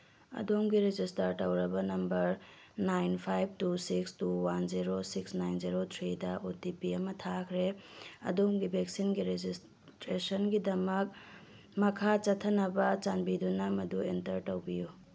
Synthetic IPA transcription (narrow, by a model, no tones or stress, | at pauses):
ɐ̰domɡiɾed͡ʒistɐɾtɐwɾɐbɐnɐmbɐɾ | najnpʰajb̚tusikstuwanziɾosiksnajnziɾot̪ʰɾidɐʔotipiɐmɐtʰakʰɾeɐ̰domɡibʱek̚sinɡiɾed͡ʒis | tɾesɐnɡidɐmɐk̚ | mɐkʰat͡ʃɐtʰːɐnɐbɐt͡ʃanbidunɐmɐduentɐɾtɐwbiju